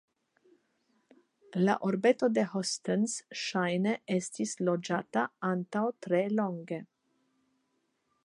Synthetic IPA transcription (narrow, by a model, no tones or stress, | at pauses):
la̰ʔoɾbet̪od̪ehɔst̪ensʃajneʔest̪islod͡ʒaːt̪aant̪awt̪ɾeloŋɡe